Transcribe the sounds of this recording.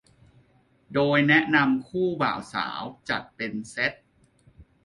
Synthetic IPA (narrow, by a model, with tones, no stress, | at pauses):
doː˧jnɛ˦˥ʔna˧mkʰuː˥˩ba̰ː˨˩wsa̰ː˩˦wt͡ɕa˨˩t̪̚pe˧nse˦˥t̪̚